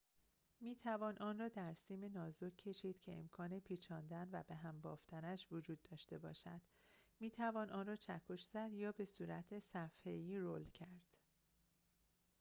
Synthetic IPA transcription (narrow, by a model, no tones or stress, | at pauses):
miːt̪ʰævɒːnʔɒːnrɒːd̪æɾsiːmenɒːzokʰːe̞ʃiːd̪̥cʰe̞ḛmkʰɒːne̞pʰiːt͡ʃʰɒːnd̪ænvæbe̞ɦæmbɒːft̪ænæʃvod͡ʒuːd̪ːɒːʃt̪e̞bɒ̰ːʃæd̪̥miːt̪ʰævɒːnʔɒːnrɒːt͡ʃʰækʰoʃz̥æd̪jɒːbe̞suːɾæt̪ʰesæfhe̞jiːɾolcʰæɾd̪̥